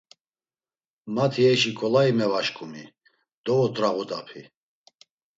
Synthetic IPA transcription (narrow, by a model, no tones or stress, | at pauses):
mat̪ʰiɛʃikʰʼɔlaimɛvaʃkʰʼumi | d̪̥ɔɔt̪ʼɾaʁud̪apʰi